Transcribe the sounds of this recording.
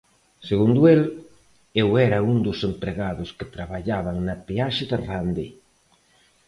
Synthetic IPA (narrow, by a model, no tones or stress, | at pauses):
seɣund̪ʊel | ewɛɾɐund̪ʊsempɾeɣaðʊskɪt̪ɾaβaʎaβɐŋnɐpeaʃɪðɪrand̪i